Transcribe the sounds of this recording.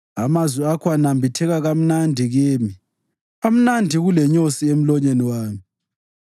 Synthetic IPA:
amazwiakʰɔanambʱitʰɛɣaɣam̩nandʱiɣeːmi | am̩nandʱiɣulɛɲosiem̩lɔɲeniwaːmi

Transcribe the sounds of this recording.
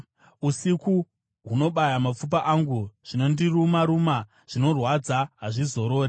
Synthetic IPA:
usiku | ɦuno̞ɓajamap͡fup̬aʔaŋɡuʐ̥ino̞ndirumaɾuma | ʐ̥ino̞rwad͡zaɦaʐizo̞ɾo̞ːre

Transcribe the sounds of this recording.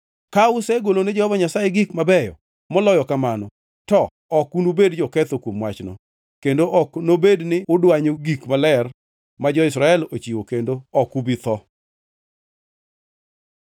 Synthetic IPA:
kaʊsɛɡoloned͡ʒɔhɔbaɲasajeɡikmabɛjɔ̰ | mɔlɔjɔkamanɔ | tɔ | ɔkunubedd͡ʒɔkɛt̪okwomwat͡ʃnɔ̰ | kendoʔɔknobednɪʊdwaɲoɡikmalɛr | mad͡ʒɔɪsɾaɛlot͡ʃiwokendoɔkubit̪ɔ

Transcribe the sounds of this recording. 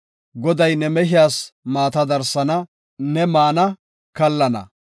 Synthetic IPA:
ɡɔd̪ɐjnɛmɛɦɪjaːsmaːt̪ɐd̪ɐɾsɐnɐ | nɛmaːnɐ | kɐlːɐnɐ̰

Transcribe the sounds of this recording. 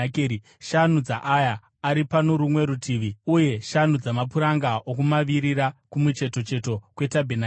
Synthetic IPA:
keːi | ʃanud͡za̰ʔajaː | ɾipanoɾumwe̞ɾutʰiːʋiuje̞ʃan̤ud͡zamap̬uɾaŋɡaʔokumaʋiɾiɾakumut͡ʃe̞to̞t͡ʃe̞to̞kwe̞tabʱena

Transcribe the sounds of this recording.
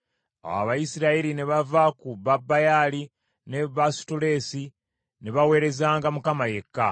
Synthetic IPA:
a̰wa̰βajisiɾaiɾineβavakuβabːajali | neβasu̥tule̞ːsi | neβawe̞ːɾe̞zaːŋɡamukamaje̞kːa

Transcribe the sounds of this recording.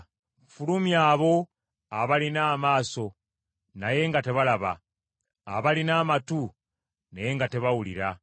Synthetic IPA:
fulumjaːβo̞ | aβalinaːmaːso̞ | naje̞ːŋɡate̞βalaβa̰ː | βalinaːmatu | neje̞ŋɡate̞βawulḭɾa

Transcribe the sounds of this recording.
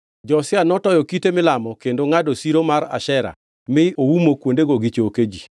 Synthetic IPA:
d͡ʒɔsɪanɔtɔjɔkitemɪlamɔkendoŋadosiɾomaɾa̰ʃɛɾa̰ | mɪoumokwondeɡoɡit͡ʃooked͡ʒi

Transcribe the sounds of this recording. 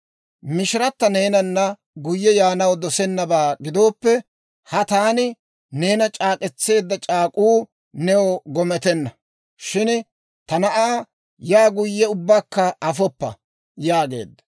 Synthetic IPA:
mɪʃɪɾɐt̪ːɐne̞ːnɐnːɐ | ɡʊjːɛjaːnɐwd̪ɔsɛnːɐbaːɡɪd̪o̞ːpːɛ | hɐt̪aːnɪ | ne̞ːnɐt͡ʃʼaːkʼɛt͡sːe̞ːd̪ːɐt͡ʃʼaːkʼuː | nɛwɔɡɔmɛt̪ɛnːɐ | ʃɪn | t̪ɐnɐʔaː | jaːɡʊjːɛʊbːaːkːɐɐfɔpːɐ̰ | jaːɡe̞̰ːd̪ːɐ̥

